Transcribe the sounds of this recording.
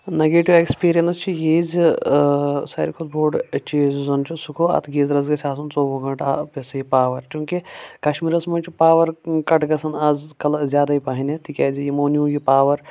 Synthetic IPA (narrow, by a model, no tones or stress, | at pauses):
neɡeːʈiʋekspiːɾijɐnst͡ʃʰijeːzi | sɐ̰ːɾkʰolboːɾɖt͡ʃeːzzɐnt͡ʃʰisukʰoɐ̰t̪ʰɡeːzɾɐzɡɐsʰʲaːsunt͡soːʋuɡɐɳʈaːpesɐipaːʋɐɾt͡ʃũːkikɐʃmiɾɐsmɐnt͡ʃʰipaːʋɐɾkɐʈɡɐsɐnaːzkɐlzʲjaːd̪aipɐːɦinʲet̪ikʲaːzijimoːnuːjipaːʋɐɾ